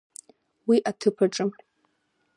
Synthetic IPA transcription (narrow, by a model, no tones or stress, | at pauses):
wiʔatʰɨpʰaʈ͡ʂʼɨm